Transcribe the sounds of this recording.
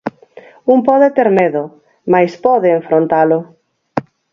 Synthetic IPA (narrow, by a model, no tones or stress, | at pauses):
umpɔðet̪eɾmeðʊ | majspɔðeːɱfɾont̪alʊ